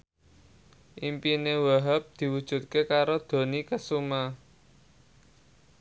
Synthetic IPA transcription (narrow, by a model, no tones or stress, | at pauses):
ʔimpinewaɦəp̚d̪̥i̤wud̥ʒ̥ṳt̪̚kekaɾod̪̥o̤nikəsuma